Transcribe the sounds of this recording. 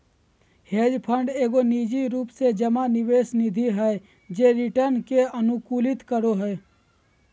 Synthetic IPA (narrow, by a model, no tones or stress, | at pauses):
heːd͡ʒpʰə̃ɳɖeːɡoniːd͡ʒiɾuːpsed͡ʒəmanɪʋeːsnid̪ʱiɦɛe | d͡ʒeːɾɪʈəɾnkeənukuːlɪt̪kəɾoɦəe